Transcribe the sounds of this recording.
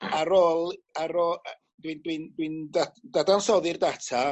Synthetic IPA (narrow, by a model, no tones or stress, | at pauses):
aɾɔːlˠaɾɔ | dɨndwɨndwɨndadadansɔðɨrdatʰa